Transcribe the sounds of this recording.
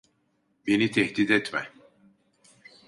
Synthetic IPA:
benit̪ʰɛhd̪id̪ɛt̪mɛ

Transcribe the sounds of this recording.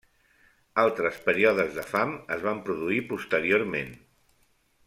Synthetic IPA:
alˠt̪ɾəspəɾiɔðəzðəfaməzβampɾuðuipust̪əɾioɾmen

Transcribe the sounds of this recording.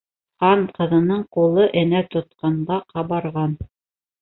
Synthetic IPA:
qɑɴqɤ̆ðɤ̆nɤɴqulˠɤʔɘ̆næt̪ŏt̪̚qɑɴɢɑqʰɑβɑɾʁɑn

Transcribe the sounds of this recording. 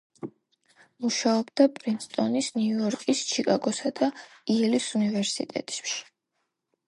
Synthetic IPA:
muʃaɔbd̪apʼɾinst̪ʼɔnisniuɔɾkʼist͡ʃʰikʼaɡɔsad̪̥aiɛlisunivɛɾsḭt̪ʼɛ̰t̪ʼʃi̥

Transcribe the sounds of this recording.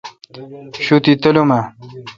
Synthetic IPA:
ɕut̪it̪ɐlumɐ

